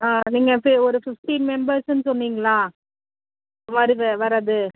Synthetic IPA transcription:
aːniːŋɡɐfɪɔɾɯfɪfʈiːnmɛmbɐɾsnːɯsɔnːiːŋɡɐɭaː | ʋɐɾɯʋɛʋɐɾaðɯ

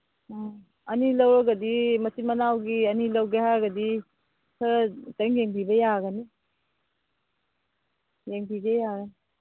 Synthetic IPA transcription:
ɐnilɐwɾɐɡɐdimɐtimɐnawɡiɐnilɐwɡehaɡɐdi | sʰɐɾtɐŋjeŋbibɐjaɡɐni | jeŋbiɡejaɡɐni

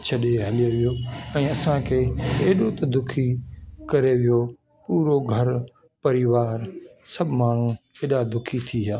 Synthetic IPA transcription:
t͡ɕʰɐɗeɦɐlɪjoʋijoɛ̃ːɐsãkʰeːeɦɗot̪ɐd̪ʊkʰikɐɾeʋijo | puːɾoɡʱɐɾ | pɐɾɪʋaːɾsɐbʱmaːɳ̤ũeːɗad̪ʊkʰit̪ʰiɦaː

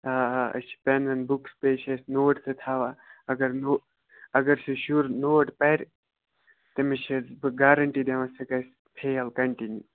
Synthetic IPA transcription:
aɐ̰t͡ʃʰi̥penɐnbukspeːt͡ʃʰesʲnoːʈset̪ʰaːʋaɐɡɐɾno | ɐɡɐɾsiʃuɾnoːʈpɐɾʲ | t̪emit͡ʃʰezbɡaːɾɐɳʈid̪eʋɐ̃sɐkɐsʲ | pʰejɐlkɐɳʈinju

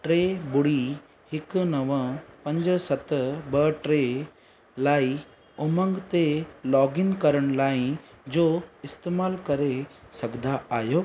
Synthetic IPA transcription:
ʈɾeːbʊɽi | hɪknɐʋə̃pɐ̃ɲd͡ʑsɐt̪bɐʈɾe | laːi | ʊmə̃ŋɡt̪elɔːɡɪnkɐɾəɽ̃laːĩ | d͡ʑoːɪst̪eːmaːlkɐɾesɐɡd̪aaːjoː

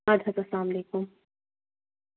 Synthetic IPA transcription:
ad̪ʱɐt̪ɐslaːmleːkʊm

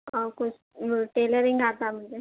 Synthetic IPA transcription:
akʊt͡ʃ | ʈeːləɾɪŋɡaːt̪am̤əɳd͡ʒe

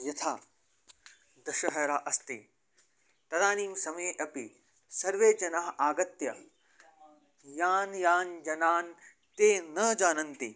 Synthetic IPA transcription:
jɐt̪ʰaː | d̪ɐʃɐɦɐɾaːʔɐst̪i | t̪ɐd̪aːniːmsɐmɐeʔɐpi | sɐɾʋeːd͡ʒɐnaɦaːɡɐt̪jɐ | jaːnjaːnd͡ʒɐnaːn | t̪eːnɐd͡ʒaːnɐnt̪i

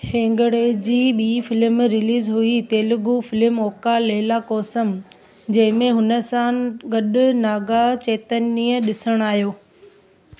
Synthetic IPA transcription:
hẽːŋɡɽeːd͡ʑiːɓiːfɪlɪmɾɪliːzɦuit̪eːlʊɡufɪlɪmoːkaleːlakɔːsəm | d͡ʑɐ̃ɦɪ̃mẽɦʊnə̆sãɡɐɗʊnaːɡat͡ɕeːt̪əniːəɗɪsəɽ̃aːɦijoː

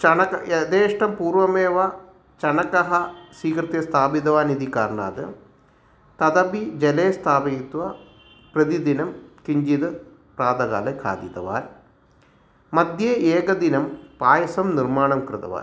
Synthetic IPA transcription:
t͡ʃɐɳɐkɐed̪eːʂʈɐmpuːrʋɐmeːʋɐ | t͡ʃɐɳɐkɐɦɐsiːkɾɨt̪jɐst̪ʰaːbid̪ɐʋaːnid̪ikaːɾɳa̰ːd̪ɨ̰ | t̪ɐd̪ɐbid͡ʑeleːst̪ʰaːbɐt̪ʋɐ | prɐd̪id̪inɐmkiɲd͡ʒid̪ɨ | praːd̪ɐɡa̰ːlekʰa̰ːd̪it̪ɐ̰ʋa̰ːn | mɐd̪ʱjeʔeːɡɐd̪inɐmpaːjɐsɐmnirmaːɳɐmkɾɨt̪ɐ̰ʋa̰ːn

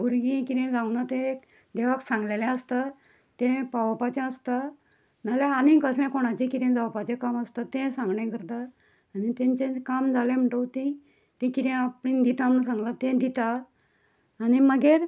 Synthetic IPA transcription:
uɾɡĩkiɾɛ̃d͡zawnat̪ẽek | d̪eʋaksãŋɡlelɛ̃əst̪a | t̪ɛ̃paʋpat͡ɕẽəst̪a | nalɛanĩkəslɛ̃koɽ̃at͡ɕĩkiɾẽd͡zaʋpat͡ɕẽkaməst̪at̪ẽsãŋɡɳɛ̃kəɾt̪aː | nit̪ẽɲt͡ɕẽkamd͡zʱalɛ̃m̤əʈəwt̪ĩ | t̪ĩkiɾɛ̃apɽĩnd̪it̪ãnsãŋɡlat̪ɛ̃d̪it̪aː | niməɡeɾ

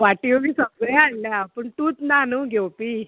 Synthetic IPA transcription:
ʋaʈimiːsəbɡɭɛanljapəɳt̪uːt͡snanuɡʱewpiː

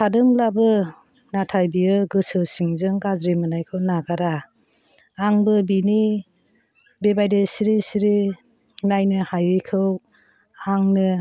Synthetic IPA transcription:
kʰadɯmlabɯ | natʰajbiɯɡɯsɯwsiŋzɯŋɡazɾimɯnajkʰɯwnaɡaɾaː | ŋbɯbini | bebajdesiɾisiɾi | najnɯhajɯjkʰɯw | aŋnɯ

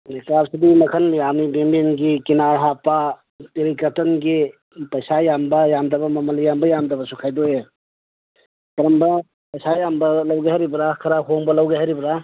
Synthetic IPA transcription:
nikɾapsidimɐkʰɐnjamibemenɡikinaɾɦapa | teɾikɐtɔnɡi | pɐjsajambɐjamdɐbɐmɐmɐlijambɐjamdɐbɐsukʰajdoe | kɐɾɐmbɐ | pɐjsajambɐlɐwɡajhaɾibɐɾakʰɐɾaɦoŋbɐlɐwɡajɦaɾibɾa

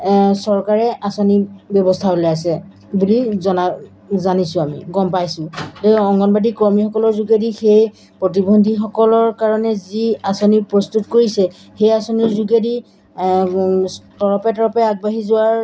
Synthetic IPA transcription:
sɔɹkaɹɛʔasɔnibjɔbɔstʰaɦolɛas̬ɛ | bulizɔna | zanisʊ̃amḭɡɔmpajsʊ̃teɔŋɡɔnbadikɔɹmixɔkɔlɔɹzuɡedixej | pɹotibondʱixɔkɔlɔɹkaɹɔnɛziasonipɹɔstutkoɹisɛ | xejasonizuɡedi | tɔɹɔpɛtɔɹɔpɛaɡ̚baɦizʊwaɹ

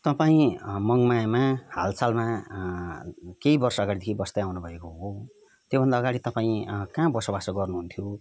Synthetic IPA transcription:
t̪ʌpaĩmʌŋmamaha̰lsalma | keibʌrsʌːɡaɽid̪ekʰibʌst̪eawnubʱʌekoɦo | t̪jobʱʌnd̪aːɡaɽit̪ʌpaĩkãbʌsobasoɡʌrnuɦunt̪ʰjo

